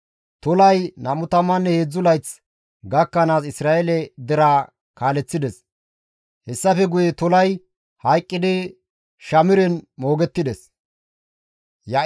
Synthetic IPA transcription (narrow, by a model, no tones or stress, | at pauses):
t̪ɔlɐjnɐmʊt̪ɐmːɐnːɛheːd͡zːʊlɐjt͡s | ɡɐkːɐnaːsɪsɾaːʔɛlɛd̪ɛɾaː | kaːlɛt͡sːɪd̪ɛs | hɛsːɐfɛɡʊjɛt̪ɔlɐj | hɐjkʼːɪd̪ɪ | ʃɐmɪɾɛnmo̞ːɡɛt̪ːɪd̪ɛs | jɐ